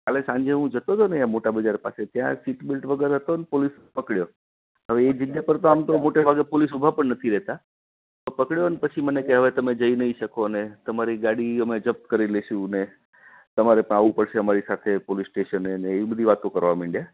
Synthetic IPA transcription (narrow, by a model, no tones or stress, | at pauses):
kalesãɲd͡ʒeɦũd͡ʒət̪ot̪oneamoʈabəd͡ʒaɾpa̰set̪jã̰siʈbɪlʈʋəɡəɾɦət̪onepolis | pəkɭjo | ɦəʋeːd͡ʒɪɡjapəɾt̪oamt̪omoʈebʱaɡepolis̬ubʱapəɳnət̪ʰiɾɛɦt̪a | t̪opəkɽjoənepət͡ʃʰimənekeɦəʋet̪əmed͡ʒəinəiʃəkonet̪əmaɾiɡaɽiəmed͡ʒəp̚t̪kəɾileʃũne | t̪əmaɾepəɳaʋũpəɽʃeəmaɾisat̪ʰepolisʈeʃəneneːʋibəd̪ʱiʋat̪õkəɾʋamɪ̃ɳɖija